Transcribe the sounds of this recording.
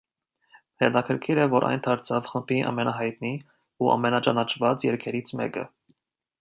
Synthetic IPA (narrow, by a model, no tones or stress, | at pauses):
hɛt̪ɑkʰəɾkʰiɾəvɔɾʔɑ̰jnt̪ʰɑɾt͡sʰɑvχəmbiʔɑ̰mɛnɑɦɑjt̪̚ni | uʔɑ̰mɛnɑt͡ʃɑnɑt͡ʃʰvɑt͡sjɛɾkʰɛɾit͡sʰmɛ̰kə̰